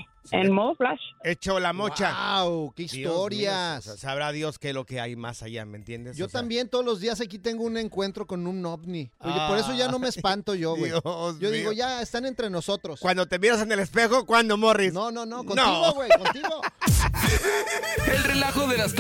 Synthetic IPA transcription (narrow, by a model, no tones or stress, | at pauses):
ḛnmoðoflaʃe̞t͡ʃolamo̞t͡ʃaawkeist̪o̞ɾjassaβɾaðjo̞skelo̞keajma̰sa̰ʝa̰mḛnt̪je̞nd̪eʝo̞t̪ambje̞nt̪o̞ðolo̞zðias̬akit̪e̞ŋɡoune̞ŋkwe̞nt̪ɾo̞ko̞nũnːobnioʝepo̞ɾe̞s̬o̞ʝano̞meːspant̪o̞ʝo̞ɣweosʝo̞ðiɣo̞ʝaest̪ane̞nt̪ɾe̞no̞so̞t̪ɾo̞skwand̪o̞t̪e̞miɾas̬enelespe̞xokwand̪o̞mo̞risno̞no̞no̞koniɣoɣwekont̪iɣo | elrelaxoðelast̪